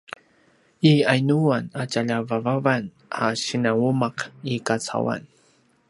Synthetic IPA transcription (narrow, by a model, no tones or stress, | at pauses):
iajnuwanat͡ʃaʎavavavan | aʃɪnawumaqikat͡sʰa̰wa̰n